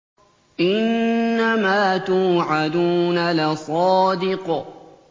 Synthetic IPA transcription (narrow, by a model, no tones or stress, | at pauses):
ʔɪnːamaːt̪uːʕad̪uːnalasˤɑːd̪ɪq